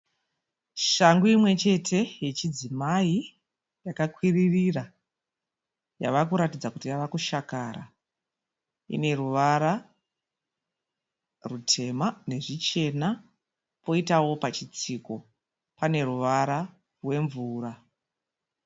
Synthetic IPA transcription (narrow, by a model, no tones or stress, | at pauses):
ʃaŋɡuimwe̞t͡ʃe̞tʰe̞je̞t͡ʃid͡zimai | jakakwiririra | ja̰ʋakuɾatid͡zakutijaʋakuʃakaɾa̰ | ḭne̞ruʋaɾa | rutʰe̞mane̞ʐit͡ʃe̞na | po̞itawo̞pat͡ʃit͡siko̞ | pane̞ruʋaɾa | rwe̞ɱvuːra